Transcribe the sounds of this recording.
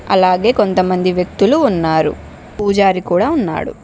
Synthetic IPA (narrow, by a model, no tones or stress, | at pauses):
ɐ̰laːɡe̞ːko̞nt̪ɐmɐnd̪iʋjɐk̚t̪uluːnːaːɾṵ | puːd͡ʒaːɾikuːɽaːunːa̰ːɽṵ